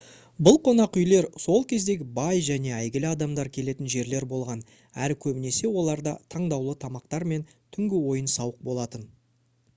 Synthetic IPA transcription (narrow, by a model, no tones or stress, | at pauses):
bʊlˠqʰo̞nɑqʏjle̞ɾso̞lˠkʲʰe̞zd̪e̞ɡʲɪbɑjʒæne̞æjɡʲɪlɪɑd̪ɑmd̪ɑɾkʲʰe̞le̞t̪ɪnʒe̞ɾle̞ɾbo̞lˠʁɑn | æɾɪkʲʰɵbɪne̞se̞wo̞lˠɑɾd̪ɑt̪ʰɑɴd̪ɑwlˠət̪ʰɑmɑq̚t̪ɑɾme̞nt̪ʰʏŋɡʲɪwo̞jənsɑwəq̚bo̞lˠɑt̪ən